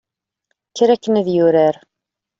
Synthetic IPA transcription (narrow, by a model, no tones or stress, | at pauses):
çɾækːənæðjʊɾæɾ